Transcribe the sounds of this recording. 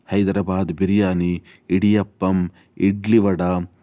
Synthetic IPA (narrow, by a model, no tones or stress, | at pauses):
hɐjd̪ɾɐbaːd̪biɾijaːni | iɽijɐpːɐm | iɖliʋɐɽa